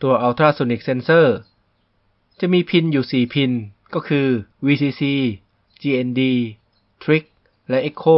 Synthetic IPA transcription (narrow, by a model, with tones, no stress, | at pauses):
t̪u˧ɐʔa˧wt̪ʰɾaː˥˩so˧ni˦˥k̚se˧nsɤː˥˩ | t͡ɕa˨˩miː˧pʰi˧njuː˨˩siː˨˩pʰi˧nkɔː˥˩kʰɯː˧wiː˧siː˧siː˧ | t͡ɕiː˧ʔe˧ndiː˧ | t̪ʰɾi˦˥k̚ | lɛ˦˥ʔe˦˥kʰːoː˥˩